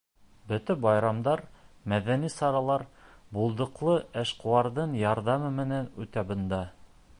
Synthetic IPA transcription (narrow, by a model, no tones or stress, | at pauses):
bɵ̆t̪æbɑjɾɑmd̪ɑɾmæðænisɑɾɑlˠɑɾbulˠd̪ɤ̆qlˠɤæʃquwɑɾðɤɴjɑɾðɑmɤmɘ̆nænʉt̪æbɤ̆nd̪ɑ